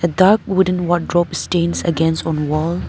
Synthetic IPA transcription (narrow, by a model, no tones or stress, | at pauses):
ədaɹk̚wʊdə̃nwɔt̚dɹɔpstẽnsə̰ɡɛ̃nstɔ̃nwɔl